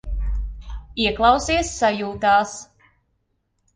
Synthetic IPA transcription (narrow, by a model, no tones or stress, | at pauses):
iɛklˠɑwsiɛsːajuːt̪aːs